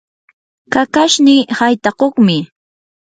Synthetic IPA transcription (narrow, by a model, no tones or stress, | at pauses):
kakaʃnihajt̪aqoχmɪ